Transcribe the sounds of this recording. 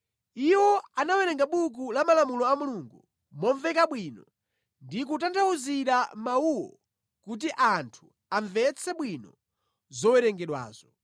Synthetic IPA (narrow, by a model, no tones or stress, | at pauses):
iwɔanawɛɾɛŋɡaɓuk̬ulamalamulɔamuluːŋɡu | mɔɱvɛkaɓwinɔ | ndik̬utantʰawuziɾamauwɔ̰ | kut̬iʔantʰu̥ | aɱvɛt͡sʰɛɓwinɔ | zɔwɛɾɛŋɡɛɗwa̰ːzɔ